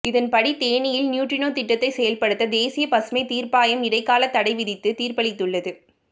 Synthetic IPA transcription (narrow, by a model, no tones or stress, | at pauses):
ɪðɐnpɐɽit̪eːɳɪjɪlnjuːʈrɪnoːt̪ɪʈːɐt̪ːɐɪsɛjɐlpɐɽɯt̪ːɐd̪eːsɪjɐpɐsmɐɪt̪iːrpaːjɐmɪɽɐɪkːaːlɐt̪ːɐɽɐɪʋɪðɪt̪ːɯt̪iːrpɐɭɪt̪ːɯɭːɐðɯ